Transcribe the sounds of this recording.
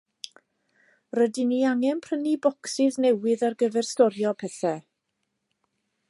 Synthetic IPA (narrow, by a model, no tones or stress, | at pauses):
rədɪniaŋɛnpʰr̥ənibɔksɪðnɛwɪðarɡəvɛrstɔɾjɔpʰɛθɛ